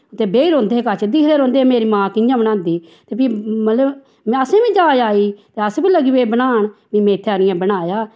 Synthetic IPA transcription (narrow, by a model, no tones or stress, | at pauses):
t̪eːbeːiːɾõːnd̪eːeːkat͡ʃd̪ɪkʰɾeːɾõːnd̪eːemeːɾiːmãːkɪjãːbəɽ̃ãːnd̪iːt̪eːpiːmələb | mɛ̃əsẽːbẽːd͡ʒaːjaːiːt̪eːəspĩːləɡieːbənaːɳbiːmɛ̃ːɪt̪ʰːeːaːɾɪjãːbəɽaːjaː